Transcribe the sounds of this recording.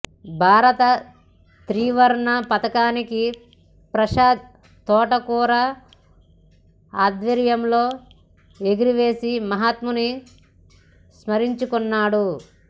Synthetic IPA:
bʱaːɾɐt̪ɐ | t̪ɾiːʋɐɾɳɐpɐt̪ɐkaːniki | pɾɐʃaːd̪̚ | t̪ɔːʈɐkuːɾɐ | aːd̪ʋɐɾjɐmlo̞ː | eɡiɾiʋe̞ːsimɐɦat̪muni | smɐɾiɲt͡ʃukɔnːaːɽu

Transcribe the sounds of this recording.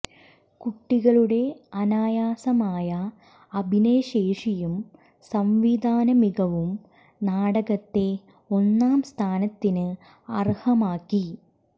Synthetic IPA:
kuʈːiɣɐɭuɽe̞ɐnaːjaːsɐmaːjɐː | bʱineːɕeːʂijum | sɐmʋid̪ʱaːnɐmiɣɐʋum | naːɽɐɣɐt̪ːe̞ | o̞nːaːmst̪ʰaːnɐt̪ːinɨ | ɐrhɐmaːkːi

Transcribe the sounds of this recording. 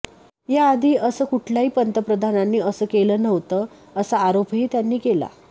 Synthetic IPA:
jaːd̪ʱiːəsəːkuʈʰljaɦiːpənt̪əpɾəd̪ʱananːiːəsəːkeləːnəʋt̪əː | əsaːɾopɦiːt̪janːiːkela̰

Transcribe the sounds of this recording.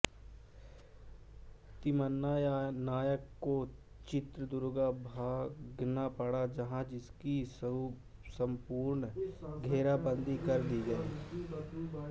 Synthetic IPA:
t̪ɪmənːaːjnaːjəkːoː | t͡ʃɪt̪ɾəd̪ʊɾɡaːbʱaːɡnaːpəɽaːd͡ʒəɦãːd͡ʒɪskiː | səmpuːɾɳɡʱeːɾaːbənd̪iːkəɾd̪iːɡəi

